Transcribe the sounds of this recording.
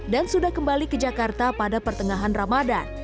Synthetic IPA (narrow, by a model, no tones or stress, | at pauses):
dansudahkəmbalikəd͡ʒakart̪apadapərt̪əŋaɦanramada